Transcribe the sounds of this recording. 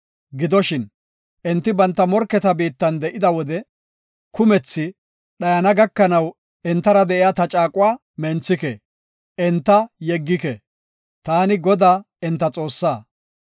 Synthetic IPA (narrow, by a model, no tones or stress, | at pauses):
ɡɪd̪ɔʃɪn | ʔɛnt̪ːɪbɐnt̪ːɐmɔɾkːɛt̪ɐbiːt̪ːɐnd̪ɛʔɪd̪ɐwɔd̪ɛ | kʊmɛt͡sːɪ | ɗɐjɐnɐɡɐkːɐnɐw | ɛnt̪ːɐɾɐd̪ɛʔɪjat̪ɐt͡ʃʼaːkʼʊwaː | mɛnt͡sːɪkɛ | ʔɛnt̪ːɐjɛɡːɪkɛ̰ | t̪aːnɪɡɔd̪aː | ɛnt̪ːɐt͡sʼo̞ːsːaː